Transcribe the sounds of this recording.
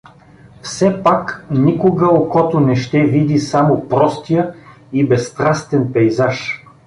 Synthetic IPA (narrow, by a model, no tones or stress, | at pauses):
fsɛpaknikʊɡəokɔt̪onɛʃt̪ɛvid̪isamopɾɔst̪ijə | ibɛst̪ɾast̪ɛnpɛjzaʃ